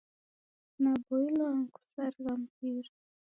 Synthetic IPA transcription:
nabɔilwaŋku̥saɾiwam̩p̚iɾa

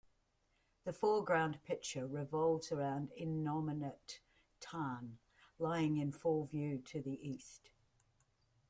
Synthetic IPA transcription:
ðəfɔːɡɹãʊ̃npʰɪk̚t͡ʃəɹɪvɒʊlˠvz̥əɹãʊ̃ndɪnɒmɪnətʰ | aːn | laɪɪ̃ŋɪ̃nfʊlˠvjʉːtʰəðiʔiˑst

